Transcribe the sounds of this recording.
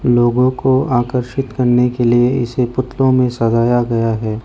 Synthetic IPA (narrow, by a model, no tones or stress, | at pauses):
loːɡõkoaːkəɾʃɪt̪kɐɾnekelieɪsepʊt̪ʰlõmẽsɐzaːjaɡɐjaɦɛː